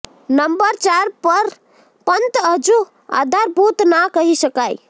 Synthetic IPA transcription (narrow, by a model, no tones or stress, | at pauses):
nəmbəɾt͡ʃaɾpəɾ | pənt̪əɦd͡ʒu | a̰d̪ʱaɾbut̪nakəɦisəkaj